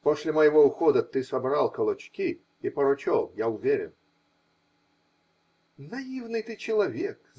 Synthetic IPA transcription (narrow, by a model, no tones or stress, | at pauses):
posʲlʲɪməjɪvoʊxod̪ət̪ɨsɐbɾalˠkəlˠɐt͡ɕkʲi | ipəɾʊt͡ɕolˠjaʊvʲeɾʲɪ̰n | nɐivnɨjt̪ɨt͡ɕɪlˠɐvʲek